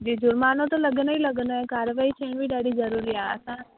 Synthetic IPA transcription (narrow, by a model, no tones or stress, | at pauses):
d͡ʒid͡ʒʊɾmanõt̪oləɡnəiləɡnoekaɾjəʋaːɦit͡ʃʰeːɳʋiɖaɽid͡ʒəɾuɾiaə̰sã